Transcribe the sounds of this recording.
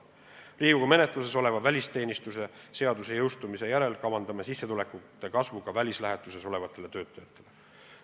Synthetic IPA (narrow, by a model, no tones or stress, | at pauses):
riːɡuɡ̥ɑme̞ne̞t̪ˑluse̞so̞le̞vɑvælʲist̪e̞ːnist̪use̞se̞ɑd̪use̞jɤwst̪umise̞jæɾe̞lkɑwɑnd̪ɑmesisːe̞t̪ule̞kːˑut̪ːˑe̞kɑsvukɑvælʲislæɦet̪ːˑuse̞so̞le̞vɑt̪ːˑe̞le̞t̪ø̞ːt̪ːˑɑjɑt̪ːˑe̞le